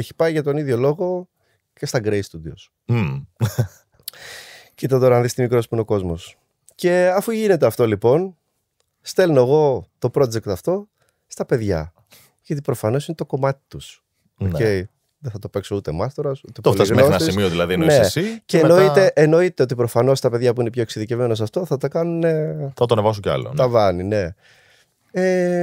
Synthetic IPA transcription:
eçi̥pɐiʝɐt̪o̞niðʝo̞lo̞ɣo̞ | ce̞st̪ɐɡɾest̪ud̪ios | cit̪ɐt̪o̞ɾɐɐnðist̪imikɾo̞spuineo̞ko̞zmo̞s | ce̞ɐfuʝine̞t̪eɐft̪o̞lipo̞n | st̪e̞lnoeɣo̞t̪o̞pɾo̞d͡ze̞kt̪ɐft̪o̞ | st̪ɐpe̞ðʝɐ̰ | ʝɐt̪̬ipɾofɐno̞sinet̪o̞ko̞mɐt̪i̥t̪us | oncei | ðeθɐt̪o̞peksout̪emɐst̪oɾɐsut̪ep̪t̪oolt̪ɐmneosnɐisimioðilɐðinnesiceeːnoit̪eʔeno̞it̪e̞o̞t̪ipɾo̞fɐno̞st̪ɐpe̞ðʝɐpuine̞pço̞eksiðicevme̞nɐs̬ɐft̪o̞θɐt̪ɐkɐnune̞θɐt̪oɐnevɐsuɲceɐ̰lo̰nt̪ɐvɐnine̞ | e

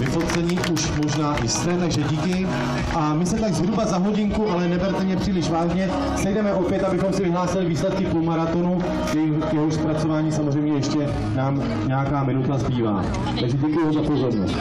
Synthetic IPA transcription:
vɪfot͡sɛɲiːʔuʃmo̞ʒnaːʔɪst̪ɛt̪aɡʒɛɟiːkɪ | ʔamɪsɛt̪aɡzɦɾubazaɦo̞ɟɪŋkuʔalɛnɛbɛɾt̪ɛmɲɛpr̥iːlɪʃvaːʒɲɛ | sɛjdɛmɛʔo̞pjɛt̪abɪxo̞msɪvɪɦlaːsɪlɪviːslɛt̪̚kɪpumaɾat̪o̞nu | jɛ | kjɛɦoʃspɾat͡so̞vaːɲiːsamozr̝ɛjmɲɛjɛʃcɛ | naːm | ɲɛjakaːmɪnut̪azbiːva̰ː | t̪aɡʒɛɟɛkujuvamzapo̞zo̞ɾno̰st̪

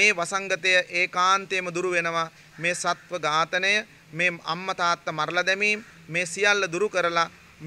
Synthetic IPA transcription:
eːʋasaŋɡət̪əjəʔeːkaːnt̪eːməd̪uɾuʋenəʋa | meːsat̪ʋəɡaːt̪ənəjə | meːa̰mːɐt̪aːt̪ːəmaɾlad̪ɛmiːmː | eːsijalːəd̪uɾukəɾəla | m

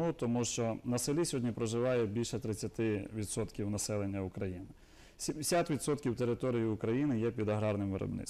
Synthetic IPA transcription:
ut̪ɔmuʃt͡ʃɔnɐselʲisʲɦɔdʲnʲipɾɔʒɪʋɑjɛbʲilʲʃɛt̪ɾɪt͡sʲːɐt̪ɪʋʲid̪sɔt̪kʲiwnɐsɛlˠenʲːɐʊkɾɐjinɪ | sʲimsʲat̪ʋʲit̪sɔt̪kʲiwt̪eɾɪt̪ɔɾʲijiʊkɾɐjinɪjɛpʲid̪ɐɦɾɑrnɪmʋɪ̰ɾɔ̰bnɪ̰

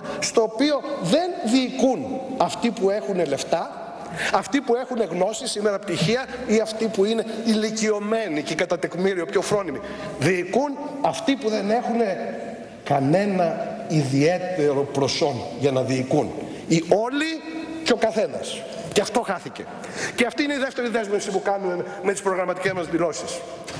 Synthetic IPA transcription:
st̪o̞ːpio̞ðe̞nðiːkunɐft̪ipue̞xune̞le̞ft̪ɐ | ɐft̪ipue̞xune̞ɣno̞sisːimeɾɐpt̪içiɐiɐft̪ipuine̞ilicio̞me̞nicekɐt̪ɐt̪ekmiɾio̞pço̞fɾo̞nimi | ðiːkunɐft̪ipuðe̞ne̞xune̞ | kɐne̞nɐ | iðie̞t̪e̞ɾo̞pɾo̞so̞nʝɐnɐðiːkun | io̞liceo̞kɐθe̞nɐ̰s | ceɐft̪o̞xɐθice̞̰ | ceɐft̪iineiðe̞ft̪e̞ɾiðezme̞fsipukɐnume | me̞t̪i̥spɾo̞ɣɾɐmɐt̪ice̞zmɐzðilo̞si̥s

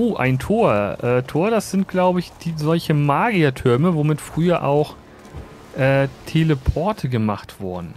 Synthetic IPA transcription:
ʔoːʔa̰ɪntʰoːɐʔɛːtʰoːɐɾasz̥ɪntɡ̥laʊbəɪçd̥iːzɔlçəmaːɡiatʰʏɐməvoːmɪtfʁ̥yːɐʔa̰ʊx | ʔɛːtʰeləpʰɔɐtʰəɡəmaχtv̥ʊɐdn̩

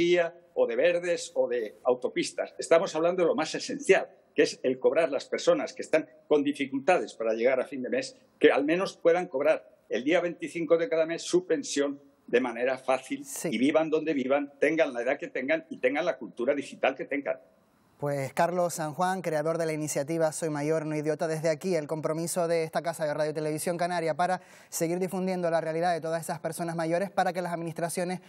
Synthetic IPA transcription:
iao̞ðe̞βe̞ɾðe̞so̞ðe̞awt̪o̞pist̪a̰se̞st̪amo̞saβland̪oelo̞mase̞se̞n̟θjal | kee̞se̞lko̞β̞ɾaɾlaspe̞ɾso̞naskest̪aŋ | ko̞nd̪ifikult̪að̞e̞spaɾaʎe̞ɣ̞aɾafind̪e̞me̞s | ke̞almẽno̞spweð̞aŋko̞βɾaɾ | e̞ld̪iaβe̞nt̪iθiŋkoðe̞kaðame̞sːupe̞nsjo̞n | d̪e̞mãne̞ɾafaθilsiiβiβand̪o̞nd̪e̞βiβant̪e̞ŋɡanlaeðake̞t̪e̞ŋɡaŋit̪e̞ŋɡanlakult̪uɾaðixit̪alke̞t̪e̞ŋɡa̰n | pwe̞skaɾlo̞ssːaŋxwaŋkɾe̞aðo̞ɾðe̞lainisjat̪iβ̞aso̞jmaʝo̞ɾnoiðjo̞t̪aðe̞zðeakie̞lko̞mpɾo̞miso̞ðe̞est̪akasaðe̞raðjot̪e̞le̞β̞isjo̞ŋkanaɾjapaɾa | se̞ɣiɾðifund̪je̞nd̪olarealiðaðe̞t̪oðase̞saspe̞ɾso̞nazmaʝo̞ɾe̞spaɾake̞lasaðminist̪ɾasjo̞ne̞s

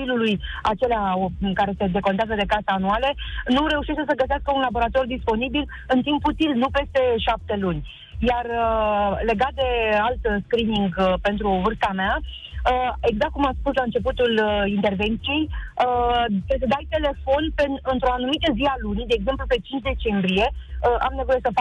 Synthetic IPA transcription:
iluluja̰t͡ʃe̞leakaɾe̞se̞d̪e̞ko̞nt̪eazəd̪e̞kasəanualenuɾe̞uʃeʃt̪esəɡəseaskəunlabo̞ɾat̪o̞rd̪ispo̞nibil | ɨnt̪imput̪ilnupe̞st̪e̞ʃap̚t̪e̞lunʲ | jarəle̞ɡat̪̚d̪e̞alt̪skɾiniŋɡpe̞nt̪ɾuvɨrst̪amea | əe̞ɡzak̚t̪kumat̪spuslaɨnt͡ʃe̞put̪ulint̪e̞rve̞nt̪sije̞jət̪esəd̪ajt̪e̞le̞fo̞npenɨnt̪ɾoanumit̪əzialunid̪e̞ːɡze̞mplupe̞t͡ʃint͡ʃʲd̪e̞t͡ʃe̞mbɾije̞əʔa̰mne̞vo̞jesəfa

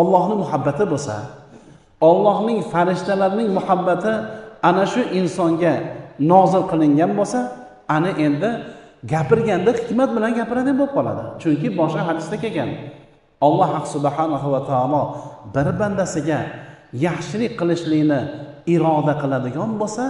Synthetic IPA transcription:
ɒlˠːɒhnɪmʊhabːat̪ʰɪbosa̰ | ɒlˠːɒhnɪŋfaɾɪʃt̪alaɾnɪŋmʊhabːat̪ʰɪanaʃʊʔɪnsɒŋɡʲanɒzɪlqʰɨlˠɪŋɡʲanbosa | anɪʔe̞nd̪ɪɡʲapɪɾɡʲand̪ahɪkmat̪̚bɪlanɡʲapɪɾad̪ɪbop̚qʰɒlˠa̰d̪ɪ̰t͡ʃʰʊŋkʲɪbɒʃqɑɦad̪ɪsd̪akʲeɡʲan | ɒlˠːɑhaqsʊbħanahʊwat̪ʰaalˠɒbɪɾband̪asɪɡʲajaχʃɪlɪqʰɨlˠɪʃlɪɡʲnɪɪɾɒd̪aqʰɨlˠad̪ɪɡʲɒnbosa

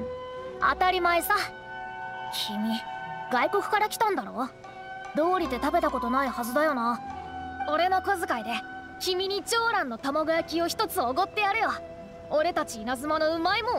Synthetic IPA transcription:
a̰t̪aɾʲimaesa | kʲʰimʲiɡ̥aiko̞kɯ̟̥kaɾakʲi̥t̪ãnd̪aɾo̞ː | d̪o̞ːɾʲit̪e̞t̪abe̞t̪ako̞t̪o̞naihazɨd̪ajo̞na | o̞ɾe̞no̞ko̞zɨkaid̪e̞ | kʲimʲiɲ̟it͡ɕo̞ːɾãnːo̞t̪amoɡɯjakʲio̞çi̥t̪o̞t͡sɨoɡo̞t̪ːe̞jaɾeβa | oɾe̞t̪at͡ɕiːnazɨmano̞ɯ̟maimo̞

